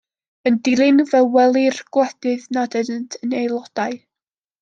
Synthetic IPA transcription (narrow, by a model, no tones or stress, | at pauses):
əndɪlˠɪnvɛwwɛlˠirɡ̥wɛd̥ɨðnadədəntʰənejlˠɔd̥aɨ